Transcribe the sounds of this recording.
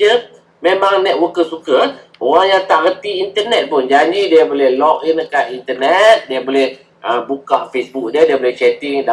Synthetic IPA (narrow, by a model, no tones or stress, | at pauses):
ə | memãŋnɛt̪̚wəkəsukəʔoɣaŋjaŋt̪aʔɣət̪iːnt̪ənɛt̪̚pʊnd͡ʒand͡ʒidiəbolɛhlɔk̚inəkanint̪ənɛt̪̚diəbolɛh | ʔəbukaʔfesbuk̚diədiəbolɛht͡ʃɛt̪iŋda